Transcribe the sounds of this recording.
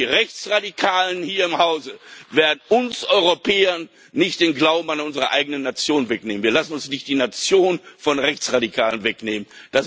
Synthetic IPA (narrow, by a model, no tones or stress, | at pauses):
iʁɛçt͡sʁadikʰaːlənhiːɐɪmhaʊzəveːɐdn̩ʔʊnsʔɔʏʁopʰɛːɐnː | ɪçt̚d̥eːnɡlaʊbm̩anʊnzəʁəʔaɪɡənənːat͡sjoːnənvɛkneːmnviɐlasn̩ʊnsnɪçtd̥iːnat͡sjoːnfɔnʁɛçt͡sʁadikʰa̰ːlənvɛkneːmənd̥as